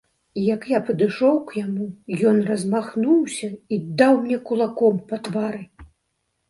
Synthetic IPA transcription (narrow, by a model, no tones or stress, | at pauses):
ijɐkjapɐd̪ɨʂɔwkjamujɔnrɐzmaxnuwsʲɐid̪ːawmnʲɛkulˠakɔmpɐt̪vaɾɨ